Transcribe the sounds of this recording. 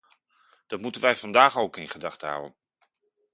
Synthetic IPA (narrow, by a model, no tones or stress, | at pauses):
d̥ɑtmutənʋɛjv̥ɑndaːχowkɪnχədɑχtəɦa̰wə̰n